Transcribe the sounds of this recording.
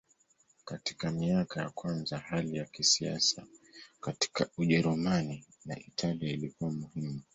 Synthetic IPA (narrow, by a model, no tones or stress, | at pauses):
kati̥kamiakajakwanzahalijakisia̰sakati̥kauʄɛɾumani | na̰ʔitʰaliailikuwamuhimu